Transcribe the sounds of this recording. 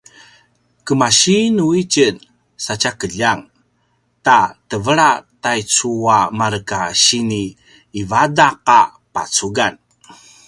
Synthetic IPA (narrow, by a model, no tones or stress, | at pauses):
kəmaɕinuit͡ʃən | sat͡ʃakəʎaŋ | tatəvəɾatajt͡suamaɾəkaɕiniː | vadaqa | pa̰t͡suɡan